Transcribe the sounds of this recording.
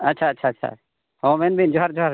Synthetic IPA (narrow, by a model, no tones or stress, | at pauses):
ɐtːʃʰaːtːʃʰaːtːʃʰa̰ | hɔ̃mɛnbʱind͡ʒɔɦaɾd͡ʒɔɦaɾ